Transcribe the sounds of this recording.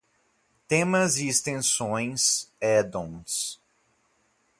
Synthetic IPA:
t̪ẽmɐziːst̪ẽsõj̃sɛd̪õw̃s

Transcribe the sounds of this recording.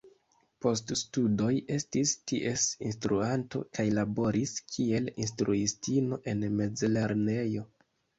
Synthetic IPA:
po̞ststudo̞je̞stistiʔe̞sinstɾuanto̞̰kajlabo̞ɾʔiskʰie̞linstɾuistino̞ʔe̞nme̞d͡zele̞ɾne̞jo̞

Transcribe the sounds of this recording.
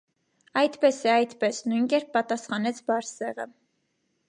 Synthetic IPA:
ɑjt̪pɛsɛɑjt̪pɛsnujnkɛɾpːɑt̪ɑsχɑnɛt͡sʰbɑɾsɛʁə̰

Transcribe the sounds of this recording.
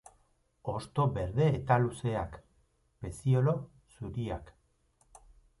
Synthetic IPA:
o̞st̪o̞be̞ɾðe̞ːt̪aluse̞ak | be̞sio̞lo̞ | suɾiak

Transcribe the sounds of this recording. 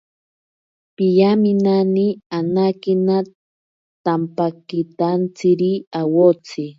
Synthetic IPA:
pijamɪnanianakina | t̪ampakit̪ant͡sɪɾiawot͡sɪ

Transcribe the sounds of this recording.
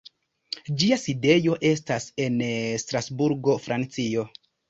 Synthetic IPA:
d͡ʒiaside̞jo̞ʔe̞stase̞nstɾasbuɾɡo̞fɾʔant͡sio̞

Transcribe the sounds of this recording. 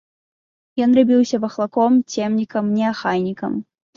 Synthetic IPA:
jɔnrabʲiwsʲɐvɐxlˠakɔmt͡sʲɛmnʲikɐmnʲɛaxajnʲikɐm

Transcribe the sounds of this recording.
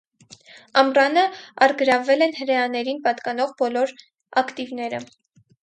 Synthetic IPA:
ɑmrɑnəɑɾɡəɾɑvɛlɛnhəɾɛjɑnɛɾinpɑt̪kɑnɔʁbɔlɔɾ | ɑkt̪ivnɛɾə̰

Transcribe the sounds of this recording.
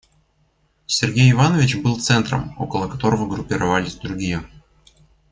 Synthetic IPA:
sʲɪrɡʲejɪvanəvʲɪt͡ɕbɨlˠt̪sɛnt̪ɾə̰mo̞̰kəlˠəkɐt̪o̞ɾəvəɡɾʊpʲɪɾɐvalʲɪsʲd̪ɾʊɡʲijə

